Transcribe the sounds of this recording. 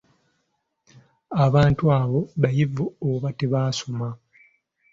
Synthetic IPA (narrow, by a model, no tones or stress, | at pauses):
aβaːntuaːβo̞βajivuoβateβaːsoma